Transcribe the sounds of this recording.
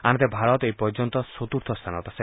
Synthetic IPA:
amit̪ebʱaɾɔt̪ejpɔɾd͡ʒɔnt̪ɔsot̪uɾt̪ʰɔst̪ʰanɔt̪ase

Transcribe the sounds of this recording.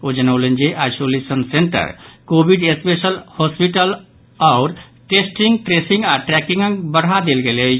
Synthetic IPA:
od͡ʒənəʊlend͡ʒeʔajsolesənseɳʈə̰ɾkobiɖespesəlhɔspiʈəl | ɔʊɾ | ʈesʈiŋɡʈɾesiŋɡaʈɾɛkĩŋɡəŋbəɽɦad̪elɡele

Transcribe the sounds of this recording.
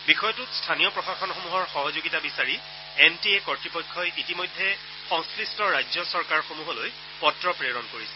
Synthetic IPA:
bixɔjɔtutstʰanijɔpɹɔxaxɔnxomuɦɔɹxɔɦɔzoɡitabisaɹi | entiekɔɹtɹipɔjkʰːɔjitimɔjdʱːɛ | xɔŋsklistɔɹajzɔsɔɹkaɹxomuɦɔloj | pɔtɹɔpɹeɹɔnkoɹisɛ̥

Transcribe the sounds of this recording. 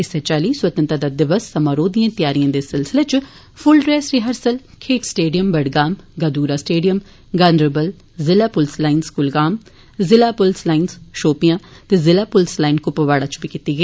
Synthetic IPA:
ɪsɛt͡ʃaːliːswət̪ənt̪aːd̪aːd̪ɪʋəsːəmaːɾoːd̪ijãːt̪ɪjaːɾijãːd̪eːsɪlsɪleːt͡ʃ | pʰʊlɖɾɛːsɾɪɦəɾsəl | kʰeːʈsʈeːɖijəmbəɖɡaːmɡad̪uːɾaːsʈeːɖijəm | ɡaːndɾəbəl | zɪlaːpʊlslaːinskʊlɡaːm | zɪlaːpʊlslaːinzʃoːpijãːt̪eːzɪlaːpʊlslaːinkʊpəʋaːɽaːt͡ʃbiːkiːt̪iːɡəiː

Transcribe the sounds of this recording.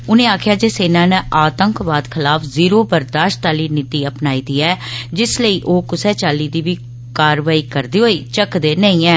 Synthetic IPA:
ʊnẽːaːkʰjaːd͡ʒeːseːnãːnəʔaːt̪əŋkʋaːd̪kʰɪlaːpʰziːɾoːbəɾd̪aːʃʈt̪aːliːnit̪iːəpnaːiːd̪iːɛːd͡ʒɪsləiːʔoːkʊsɛːt͡ʃaːliːd̪iːʋiː | kaːɾʋaːiːkəɾd̪iːɦoːiːt͡ʃəkd̪eːnə̃ĩːɛː

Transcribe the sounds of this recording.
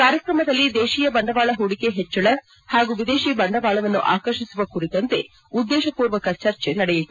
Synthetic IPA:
kaːɾjɐkɾɐmɐd̪ɐlːid̪eːʃijɐbɐɳɖɐʋaːɭɐɦuɽikeɦet͡ʃːɐɭɐ | haːɡuʋid̪eːʃibɐɳɖɐʋaːɭɐʋɐnːuʔa̰ːkɐɾʃisuʋɐkuɾit̪ːɐnt̪e̞ | ud̪ːɛːʃɐpuːɾʋɐkɐt͡ʃɐɾt͡ʃenɐɽɛjit̪ːu

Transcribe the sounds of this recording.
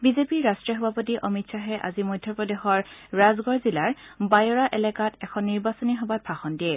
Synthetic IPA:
bizepiɹɹastɹiɔɦɔbʱapɔt̬iʔɔmitsaɦɛʔa̰zimɔdʱːjɔpɹɔdexɔɹɹazɡɔɹzilaɹbajɔɹaʔɛlɛkatɛkʰɔnːiɹbasɔniɦɔbat̚b̥ʰʱaxɔndiɛ

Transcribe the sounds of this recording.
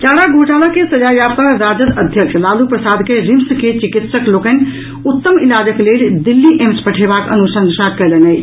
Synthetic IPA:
t͡ʃaːɽaɡʱoʈaːlakesɐd͡ʒaːjapəɾɾaːd͡ʒət̪əd̪ʱjəkʃlaːlupɾəsaːd̪keɾimsket͡ʃikit̪səkloːkən | ʊt̪ːəmilaːd͡ʒəkleːld̪ilːiʔemspəʈʰeːbaːkə̰nusəŋsakɛlənə

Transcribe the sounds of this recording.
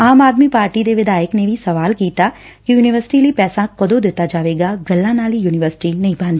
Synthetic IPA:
aːmaːd̪mipaːɾʈid̪eʋɪd̪ʱaːjəknebʱisɐʋaːlkiːt̪a | kijuːnɪʋəɾsɪ̥ʈilipɛːsãkɐd̪od̪eːt̪ad͡ʒaːʋeːɡaɡɐlːanaːlijuːnɪʋəɾsɪ̥ʈinɐɦĩbãːnd̪i

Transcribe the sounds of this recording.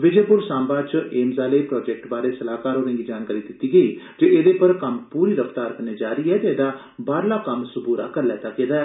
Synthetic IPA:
ʋɪd͡ʒeːpʊɾsãːmbaːt͡ʃeːmzaːleːpɾɔːd͡ʒɛk̚ʈbaːɾeːsəlaːkaːɾoːɾə̃ːŋɡiːd͡ʒaːnkaːɾiːd̪ɪt̪ːiːɡəiː | d͡ʒeːed̪eːpəɾkəmpuːɾiːɾəft̪aːɾkəneːd͡ʒaːɾiːɛːt̪eeːd̪aː | baːɾlaːkəmsʊbuːɾa̰ːkəɾlɛːt̪aːkeːd̪aɛː

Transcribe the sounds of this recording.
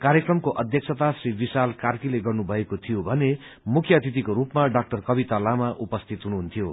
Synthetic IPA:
kaɾjekrʌmkoʔʌd̪ʱjʌksʰʌt̪asribisalkarkileɡʌrnubʱʌekot̪ʰijobʱʌne | mukʰjʌt̪it̪̬ikoɾupmaɖak̚ʈʌrkʌbit̪alamaʔupʌst̪ʰit̪ɦunuɦunt̪ʰijo

